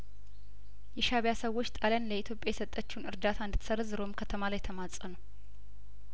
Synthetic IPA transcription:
jɛʃaβjasəwːo̞t͡ʃːt̪ʼalənləit̪ʰjo̞pʼjajɛsət̪ʼːət͡ʃːunɨɾd̪at̪ʰand̪ʰsəɾzɨɾo̞mkʰət̪ʰəmalajt̪ʰəmat͡sʼːənəw

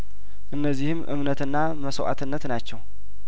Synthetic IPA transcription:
ʔɨnːəzːihɨmʔɨ̰mnət̪ɨnːa | məsəwʔa̰t̪ʰɨnːət̪nat͡ʃːɛw

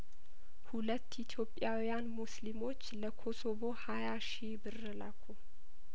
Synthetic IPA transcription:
hulət̪ːit̪ʰjo̞pʼːjawijanmuslimo̞t͡ʃːləkʰo̞sobo̞hajaʃibɨrːəlakʰu

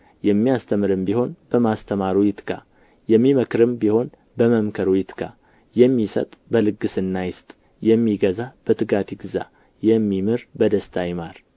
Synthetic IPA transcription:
jɛmːijast̪ʰəmɨɾɨmbiho̞nb̥əmast̪ʰəmaɾujɪt̪ʰɡa̰ | jɛmːiməkɾɨmbiho̞n | bəməmkʰəɾujɪt̪ɡʰa̰ | jɛmːisə̰t̪ʼbəlɨɡɨsɨnːajɪst̪ʼ | jɛmːiɡəzab̥ət̪ʰɨɡat̪ʰiɡɨza̰ | jɛmːimɨɾbəd̪əst̪ʰajma̰ɾ

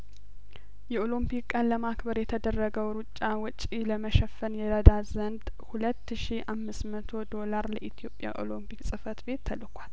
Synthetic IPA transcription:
jɛolompʰikkʼːənləmakbəɾjɛt̪ʰəd̪ərːəɡəwɾut͡ʃʼːawɨt͡ʃʼiləməʃəfːənjɛɾəd̪azənd̪ | hulət̪ːɨʃiamːɨsmət̪ʰo̞d̪o̞laɾləʔit̪ʰjo̞pʼja̰ʔo̞̰lompiksʼɨfət̪be̞t̪ʰːəlkʰʷal

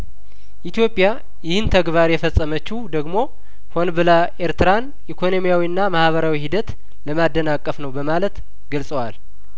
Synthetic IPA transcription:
ʔit̪jo̞pʼːja | jɪhɨnt̪ʰəɡβaɾjɛfəsʼːəmət͡ʃːuhd̪əɡmo̞ | ho̞nbɨlaʔeɾt̪ɨɾan | ʔikʰo̞no̞mijawiɨnːamahβəɾawihid̪ət̪ | ləmad̪ːənakʼːəfnəwbəmalət̪ | ɡəlsʼəwal

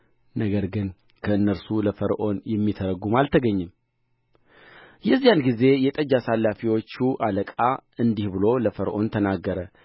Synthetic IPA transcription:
nəɡəɾɡɨn | kʰəɨnːəɾsuləfəɾʔo̞njɛmːit̪ʰəɾəɡumalt̪ʰəɡəɲːɨm | jɛzːijanɡize̞jɛt̪ʼəd͡ʒasalːafiwo̞t͡ʃːuʔaləkʼaɨnd̪ihbɨlo̞ləfəɾʔo̞nt̪ʰənaɡːəɾə

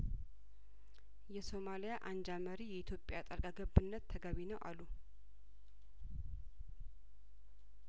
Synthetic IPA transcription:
jɛso̞malijaʔand͡ʒaməɾijɛit̪ʰjo̞pʼːjat̪ʼalkʼaɡəbːɨnːət̪ʰːəɡəβinəwʔalːu

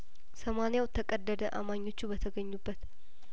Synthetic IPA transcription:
səmanijawt̪ʰːəkʼəd̪ːəd̪əʔa̰maɲːo̞t͡ʃːubət̪ʰəɡəɲːubːət̪

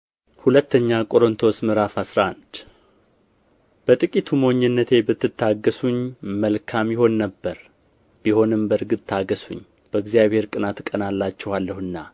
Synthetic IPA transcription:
hulət̪ːəɲːakʼo̞ɾont̪ʰo̞smɨɾafasɾaʔand̪ | b̥ət̪ʼɨkʼit̪ʰumoɲːɛnːət̪ʰe̞bɨt̪ːɨt̪ːaɡəsuɲməlkʰamjɪho̞nːəbːəɾ | b̥iho̞nɨmbəɾɡɨt̪ʼʰːaɡəsṵɲː | b̥əɨɡzjaβhe̞ɾkʼɨnat̪kʼənalːat͡ʃːɛwalːəhɨnːa

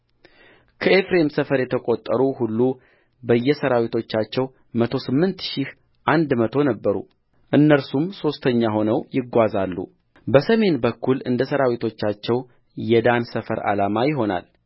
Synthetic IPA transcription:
kʰəe̞fɾe̞msəfəɾjɛt̪ʰəkʼo̞t̪ʼːəɾuhulːu | bəjːɛsəɾawit̪ʰo̞t͡ʃːat͡ʃːɛw | mət̪ʰo̞sɨmːɨnt̪ʃih | ʔand̪mət̪ʰo̞nəbːəɾṵ | ʔɨnːəɾsumso̞st̪ʰəɲːaɦo̞nəwjɪɡːʷazalːṵ | bəsəme̞nbəkːulɨnd̪əsəɾawit̪ʰo̞t͡ʃːat͡ʃːɛw | jɛd̪ansəfəɾa̰lamajɪɦo̞na̰l

